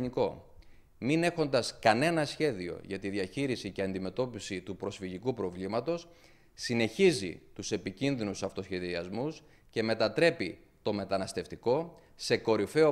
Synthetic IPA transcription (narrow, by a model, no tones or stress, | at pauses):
niko̞̰ | mine̞xo̞nd̪ɐskɐne̞nɐsçe̞ðio̞̰ʝɐt̪iðiɐçiɾisiceɐnd̪ime̞t̪o̞pisit̪upɾo̞sfiʝikupɾo̞vlimɐt̪o̞s | sine̞çizḭt̪use̞picinðinusɐft̪o̞sçe̞ðiɐzmus | ce̞me̞t̪ɐt̪ɾe̞pi | t̪o̞me̞t̪ɐnɐst̪e̞ft̪iko̞ | se̞ko̞ɾife̞o